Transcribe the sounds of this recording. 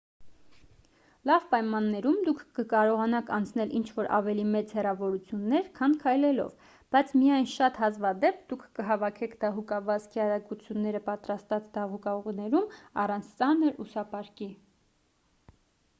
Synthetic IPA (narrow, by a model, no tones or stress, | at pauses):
lɑvpɑjmɑnːɛɾumd̪ukʰːəkɑɾɔʁɑnɑkɑnt͡sʰnɛlʔint͡ʃʰvɔɾʔɑ̰vɛlimɛt͡shɛrɑvɔɾut͡sʰjunːɛɾkʰɑnkʰɑjlɛlɔ̰v | b̥ɑjt͡sʰmijɑjnʃɑt̪hɑzvɑd̪ɛp̚ʰd̪ukʰːəɦɑvɑkʰɛkʰd̪ɑɦukɑvɑzkʰiɑɾɑɡut͡sʰjunːɛɾəpɑt̪ɾɑst̪ɑt͡sd̪ɑʁukɑɔʁnɛɾumɑ̰rɑnt͡sʰt͡sɑnəɾusɑpɑɾki